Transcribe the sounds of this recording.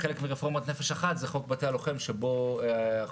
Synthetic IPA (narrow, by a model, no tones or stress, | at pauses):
elekmiʁefo̞ʁmat̪nefeʃaχat̪zeχo̞kbatealo̞χe̞mʃebo̞